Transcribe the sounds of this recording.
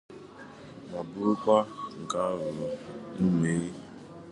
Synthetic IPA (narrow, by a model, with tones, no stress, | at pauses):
ma˨bʊ˦ɾʊ˦kʷa˦ŋ̩˨ka˦ɾʊ˨ɾɔ˨nu˦me˨˦ɾi˦